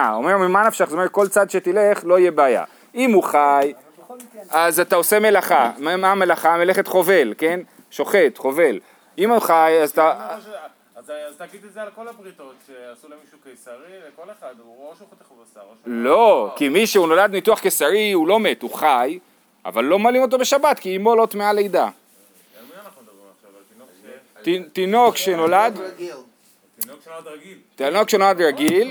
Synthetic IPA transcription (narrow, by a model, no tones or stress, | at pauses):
aome̞ʁmemanafʃaχzeomeet̪̚ko̞lt͡sad̪ʃe̞t̪ile̞χlo̞ijebeaja̰ | imuχaj | ʔazat̪ao̞se̞me̞laχamamame̞laχameleχet̪χo̞ve̞lke̞n | ʃo̞χe̞t̪χo̞ve̞l | imuχajazat̪a | zɡid̪ezelkolapʁit̪ot̪ʃeasulmiʃuksaʁiekolead̪ | ʃt̪ | lo̞kimiʃeuno̞lad̪mituaχkesaʁiulo̞me̞t̪uχaj | ʔa̰valːo̞malimo̞t̬obe̞ʃabat̪kiːmolot̪mealejd̪a | nad̪i | a | t̪itino̞kʃenolad̪ɡ | dɡi | tinokʃenolad̪ʁaɡil